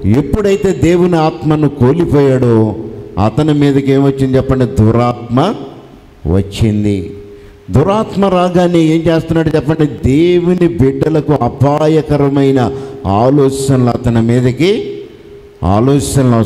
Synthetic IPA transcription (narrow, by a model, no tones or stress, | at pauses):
epːuɽɐjt̪e̞ːd̪e̞ːwuniaːt̪mɐnukoːlipɔːjaːɽoːɐ̰t̪ɐnimiːd̪ɐke̞ːmʋɐt͡ʃːind̪it͡ʃɛpːɐɳɖid̪uɾaːt̪mɐ | ʋɐ̰t͡ʃːind̪i | d̪uɾaːt̪mɐɾaːɡaːniːe̞ːmt͡ʃe̞ːst̪unːaːɽut͡ʃɛpːɐɳɖid̪eːwunibiɖːɐlɐkuɐbʱaːjɐkɐɾɐmɐjnɐaːloːt͡ʃʃɐnɐlɐɐt̪ɐnimiːd̪ɐki | a̰ːloːt͡ʃɐɐnɐlɐ